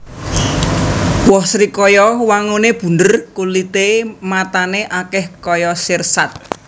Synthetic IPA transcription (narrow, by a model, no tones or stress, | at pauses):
wɔhsɾikɔjɔwaŋuneb̥ṳndərkulit̪emat̪aneʔakɛhkɔjɔsɪrsat̪̚